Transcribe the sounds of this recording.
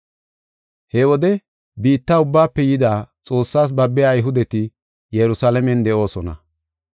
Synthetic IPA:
hɛwɔd̪ɛ | biːt̪ːaːʊbːaːpːɛjɪd̪aːt͡sʼo̞ːsːaːs̬bɐbːɛjaːjɦʊd̪ɛt̪ɪ | jɛɾʊsaːlɐmɛnd̪ɛʔo̞ːsɔnɐ̰

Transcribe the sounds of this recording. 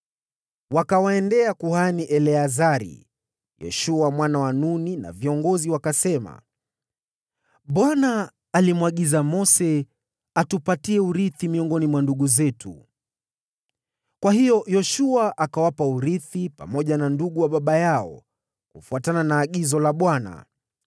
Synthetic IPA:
wakawaɛndɛakuhaniʔɛlɛazaɾḭ | jɛ̰ʃuamwanawanunina̰viɔŋɡɔziwakasɛma̰ | ɓwanaː | limwaɠizamɔsɛ | atupatiɛuɾiθimiɔŋɡɔnimwanduɠuzɛtʰṵ | kwahijɔjɔʃuaʔakawapauɾiθipa̰mɔʄananduɠuwaɓaɓajaɔ̰ | kufuatananaːɠizɔlaɓwana̰

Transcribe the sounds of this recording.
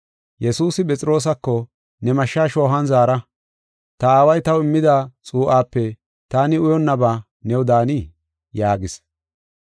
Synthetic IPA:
jɛsuːsɪpʼɛt͡sʼɪɾo̞ːs̬ɐkːɔ | nɛmɐʃːaːʃo̞ːɦɐnzaːɾɐ | t̪ɐaːwɐjt̪ɐwɪmːɪd̪aːt͡sʼuːʔaːpːɛ | t̪aːnɪʊjɔnːɐba | nɛwʊd̪aːni | jaːɡɪs

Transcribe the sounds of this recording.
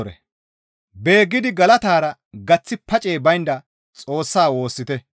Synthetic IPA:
ɾɛ̰ | be̞ːɡːɪd̪ɪɡɐlɐt̪aːɾɐ | ɡɐt͡sːɪpɐt͡ʃʼe̞ːbɐjnd̪ɐ | t͡sʼo̞ːsːaːwo̞ːsːɪt̪ɛ

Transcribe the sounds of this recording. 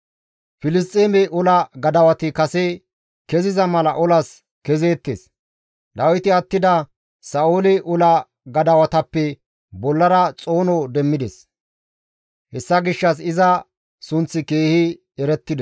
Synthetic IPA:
fɪlɪs̬t̪ʼeːmɛʔʊlɐɡɐd̪ɐwɐt̪ɪkɐsɛ | kɛzɪzɐmɐlɐʔʊlɐs | kɛze̞ːt̪ːḛs | d̪ɐwjt̪ɪɐt̪ːɪd̪ɐ | sɐoːlɛʔʊlɐ | ɡɐd̪ɐwɐt̪ɐpːɛ | bɔlːɐɾɐt͡sʼo̞ːnɔd̪ɛmːɪd̪ɛs | hɛsːɐɡɪʃːɐs̬ɪzɐ | sʊnt͡sːɪkeːhɪ | ɛɾɛt̪ːɪd̪ɛ

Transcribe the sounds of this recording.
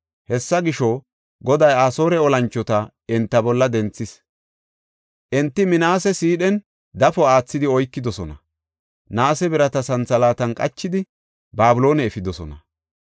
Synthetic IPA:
hɛsːɐɡɪʃɔ | ɡɔd̪ɐjaːso̞ːɾɛɔlɐnt͡ʃːɔt̪ɐ | ɪnt̪ːɐbɔlːɐd̪ɛnt͡sːɪs | ʔɛnt̪ːɪmɪnaːsɛsiːɗɛn | d̪ɐfɔaːt͡sːɪd̪ɪɔjkːɪd̪ɔsɔnɐ | naːsɛbɪɾɐt̪ɐsɐnt͡sɐlaːt̪ɐnkʼɐt͡ʃːɪd̪ɪ | baːbɪlo̞ːnɛːfɪd̪ɔsɔ̰nɐ̰

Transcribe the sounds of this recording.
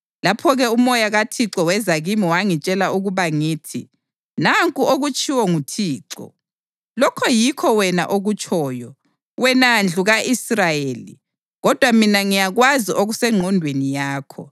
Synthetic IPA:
lapʰɔɣɛumɔjaɣatʰiǁɔwɛzaɣimiwaŋit͡ʃʼɛlauɣuβaŋiːtʰḭ | naŋkʼuʔoɣut͡ʃʼiwɔŋutʰiːǀɔ̰ | lɔkʰɔjikʰɔwɛna̰ʔoɣut͡ʃʼʰɔːjɔ | wɛnand͡ɮʱuɣaʔisrajeːlḭ | ɣɔd̥ʱwaminaŋijaɣwaziʔoɣusɛŋ͡ǃʱɔndʱwenijaːkʰɔ

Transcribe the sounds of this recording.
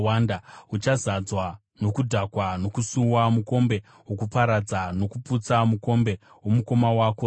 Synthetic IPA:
wandaut͡ʃazad͡zwa | no̞kudʱakwano̞kusuwamuko̞mbe̞ | okupaɾad͡zano̞kuput͡samuko̞mbe̞ | womuko̞mawako

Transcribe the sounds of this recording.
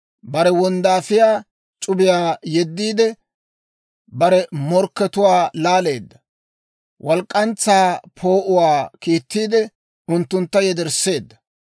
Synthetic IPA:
bɐɾɛwɔnd̪aːfɪjaː | t͡ʃʼʊbɪjaːjɛd̪ːiːd̪ɛ | bɐɾɛmɔɾkːɛt̪ʊwaːlaːle̞ːd̪ːɐ | wʔɔlkʼːɐnt͡sːaːpʰo̞ːʔʊwaːkiːt̪ːiːd̪ɛ | ʊnt̪ːʊnt̪ːɐjɛd̪ɛɾsːe̞ːd̪ːɐ̥

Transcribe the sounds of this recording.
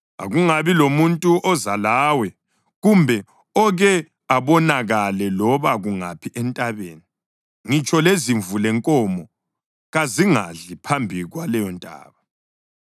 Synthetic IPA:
a̰ɣuŋaβilomuntʼuʔɔzalaːwɛ | ɣumbʱɛ | ɔɣɛ | aβɔnaɣalɛlɔβaɣuŋapʰiʔɛntʼaβeːni | ŋit͡ʃʼɔleziɱvulɛŋkʼɔmɔ | ɣaziŋa̰ɮipʰambʱiɣwalɛjɔntʼa̰ːβa

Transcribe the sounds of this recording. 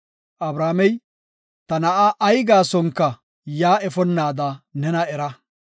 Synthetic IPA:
ʔɐbɾaːmɛj | t̪ɐnɐʔaʔːjɡaːsɔŋkːɐ | jaːɛfɔnːaːd̪ɐnɛnɐɛɾɐ

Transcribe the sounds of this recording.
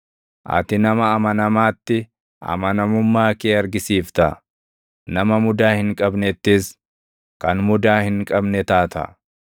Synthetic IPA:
ʔɐ̰t̪ɪnɐmɐːmɐnɐmaːt̪ːɪ | ʔɐ̰mɐnɐmʊmːaːkeːɐɾɡɪsiːft̪ɐ̰ | nɐmɐmʊd̪aːhɪŋkʼɐbnɛt̪ːɪs | kɐnmʊd̪aːhɪŋkʼɐbnɛt̪aːt̪ɐ̰

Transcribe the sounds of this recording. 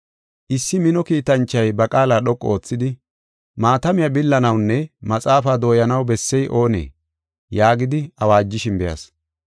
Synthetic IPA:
ʔɪsːɪmɪnɔkiːt̪ɐnt͡ʃːɐjbɐkʼaːlaːɗɔkʼːɔo̞ːt͡sːɪd̪ɪ | maːt̪ɐmɪjɐbɪlːɐnɐwnːɛmɐt͡sʼaːfaːd̪o̞ːjɐnɐwbɛsːɛjʔo̞ːnḛː | jaːɡɪd̪ɪɐwaːd͡ʒːɪʃɪnbɛjɐ̰s

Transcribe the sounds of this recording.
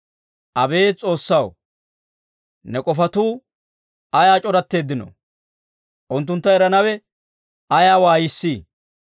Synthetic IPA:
ʔɐbe̞ːt͡sʼo̞ːsːɐw | nɛkʼɔfɐt̪uː | ɐjaːt͡ʃʼɔɾɐt̪ːe̞ːd̪ːɪno̰ | ʔʊnt̪̬ːʊnt̪ːɐɛɾɐnɐwɛ | ɐjaːwaːjɪsːiː

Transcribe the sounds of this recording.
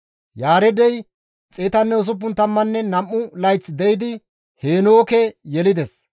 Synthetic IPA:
jaːɾɛd̪ɛj | t͡sʼeːt̪ɐnːɛʊs̬ʊp̬ːʊnt̪ɐmːɐnːɛnɐmːʊlɐjt͡sːd̪ɛjɪd̪ɪ | heːnoːkɛjɛlɪd̪ɛs

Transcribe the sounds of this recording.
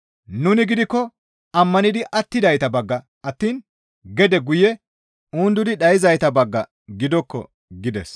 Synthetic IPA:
nʊnɪɡɪd̪ɪkːɔ | ɐmːɐnɪd̪ɪʔɐt̪ːɪd̪ɐjt̪ɐbɐɡːɐ | ɐt̪ːiːn | ɡɛd̪ɛɡʊjɛ | uːnd̪ʊd̪ɪɗɐjɪzɐjt̪ɐbɐɡːɐ̰ | ɡɪd̪ɔkːɔ̰ | ɡɪd̪ɛs

